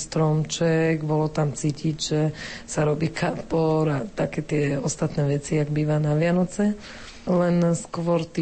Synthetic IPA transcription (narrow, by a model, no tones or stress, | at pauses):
st̪ɾɔmt͡ʃɛɡbɔlɔt̪amt͡siːcʰiɟʒɛsaɾɔbiːkʰapɔɾat̪akɛːt̪ɪɛɔst̪at̪nɛʋɛt͡siaɡbiːʋanaʋɪanɔt͡sɛ | lɛnskʋɔɾt̪i